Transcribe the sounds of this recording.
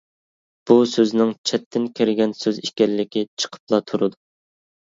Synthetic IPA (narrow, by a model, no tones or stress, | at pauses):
b̥usøznɪŋt͡ʃʰɛt̪ʰːɪnkʲʰeɾɪɡʲɛnsøziʃkʲɛllːɪkʲit͡ʃʰə̥qʰə̥plˠɑt̪ʰuɾɨd̪u